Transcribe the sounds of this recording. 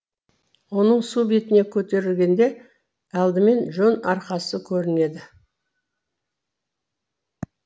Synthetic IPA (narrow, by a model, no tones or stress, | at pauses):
wo̞nəɴsubet̪ɪne̞kʲʰɵt̪e̞ɾɪlɡʲe̞nd̪e̞ | ɑlˠd̪ɪme̞nʒonɑɾqɑsəkʲʰɵɾɪne̞d̪ɪ